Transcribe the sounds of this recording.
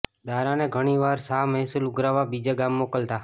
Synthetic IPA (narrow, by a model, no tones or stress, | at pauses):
d̪aɾaneɡʱəɽ̃iʋaɾsamɛɦsulʊɡɾaʋabid͡ʒaɡamːokəlt̪a